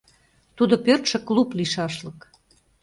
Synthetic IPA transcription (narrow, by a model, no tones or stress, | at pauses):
t̪ud̪opørt̪ʃə̆klupliʃɑʃlək